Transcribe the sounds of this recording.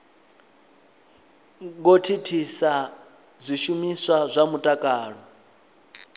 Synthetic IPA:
ŋɡotʰitʰisa | zʷiʃumiswazʷamutʼakʼaːɺɔ

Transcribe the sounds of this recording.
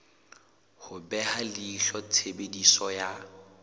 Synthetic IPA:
hʊbɛhalɪiɬɔt͡sʰebedisɔja

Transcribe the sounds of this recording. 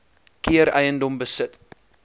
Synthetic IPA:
kiəɾəjəndɔmbəsət

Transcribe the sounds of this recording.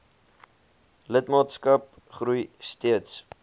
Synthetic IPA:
lətmɑːtskɐp̚ | χɾujstiəts

